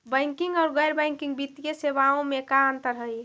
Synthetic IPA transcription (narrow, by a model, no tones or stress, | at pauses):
bəjŋkiŋɡɔʊɾɡəjɾbəjŋkiŋɡbit̪ijesebaõmekaənt̪əɾɦəj